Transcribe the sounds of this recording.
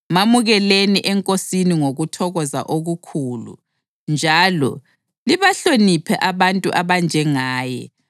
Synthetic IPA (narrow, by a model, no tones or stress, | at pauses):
mamuɣɛleniʔɛŋkʼosiniŋoɣutʰɔɣɔza̰ʔoɣukʰuːlṵ | nd͡ʒʱalɔ̰ | liβaɬonipʰɛʔaβantʼuʔaβand͡ʒʱɛŋaːjɛ̰